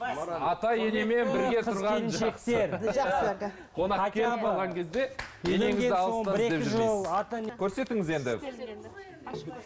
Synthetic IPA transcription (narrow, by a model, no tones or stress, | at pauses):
ɑt̪ɑjeneme̞nɪɾɡʲe̞t̪ʰʊɾʁɑnnʃek̚t̪e̞ɾ | qʰo̞nɑɑkʲʰelɪpɑlˠʁɑŋkʲʰe̞zd̪e̞eneŋɪzʲɡeɑlˠobɪɾed̪eɪʒolˠɑt̪ɑnekʲʰɵɾse̞t̪ɪŋɪze̞nd̪ɪ